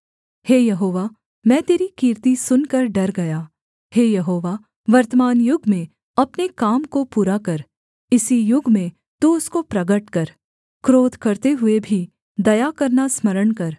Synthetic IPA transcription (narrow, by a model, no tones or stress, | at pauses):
heːjɐɦoːʋa | mɛ̃ːt̪eːɾikiːɾt̪isʊnkɐɾɖɐɾɡɐjaː | heːjɐɦoːʋa | ʋɐɾt̪əmaːnjʊɡʱmẽ | ɐpnekaːmkopuːɾakɐɾ | ɪsijʊɡʱmẽ | t̪uʊskopɾɐɡəʈkɐɾ | kɾoːd̪ʱkɐɾt̪eɦʊebʱi | d̪ɐjakɐɾnasmɐɾəɳkɐɾ